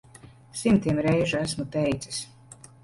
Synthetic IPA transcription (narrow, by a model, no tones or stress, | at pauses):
simt̪iɛmɾɛjʒuæsmut̪ɛjt̪sis